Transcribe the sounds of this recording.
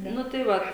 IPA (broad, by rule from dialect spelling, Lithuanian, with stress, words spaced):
ˈnʊ tɐɪ ʋɐt